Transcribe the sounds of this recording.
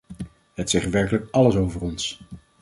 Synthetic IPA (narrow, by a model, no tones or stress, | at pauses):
ɦətsɛχʋɛɹkələkɑləsowvərɔns